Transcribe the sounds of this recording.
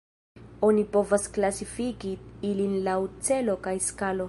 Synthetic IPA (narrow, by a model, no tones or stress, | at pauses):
onipo̞vasklasifikiilinlawt͡se̞lo̞kajskalo̞